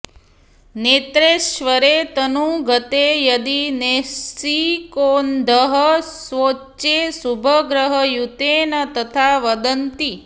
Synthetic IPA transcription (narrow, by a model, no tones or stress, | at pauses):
net̪ɾeʃʋəɾet̪ənũɡʱət̪ejəd̪inesikond̪ʱəɦəsʋotːʃesubʱəɡɾəɦəjut̪enət̪ət̪ʰaʋəd̪ənt̪i